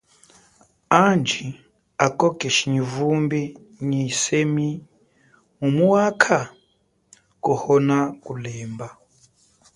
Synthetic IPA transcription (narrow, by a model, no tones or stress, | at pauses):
and͡ʒʱi | akʼɔkʼɛʃiɲivumbi | ɲisemi | ŋumuwakʰa | kɔhɔnakulɛːmba